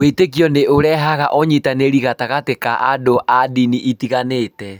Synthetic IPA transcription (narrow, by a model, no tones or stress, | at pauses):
wetek̬jɔneoɾɛɦaɣaʔɔɲitaneɾiɣataɣatekaʔa̰doʔadiniʔitiɣanetɛ